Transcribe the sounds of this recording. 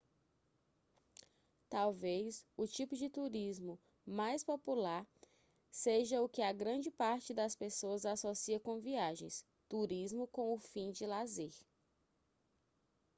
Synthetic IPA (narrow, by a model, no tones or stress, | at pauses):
t̪awvejsʊt͡ʃipʊd͡ʒɪt̪uɾizmʊ | majspopulaɾ | seʒɐʊkɪaɡɾɐ̃d͡ʒɪpaɾt͡ʃɪd̪ɐspesoɐzasosiɐkõviaʒḛ̃j̃s | t̪uɾizmʊkõʊfĩd͡ʒɪlazeɾ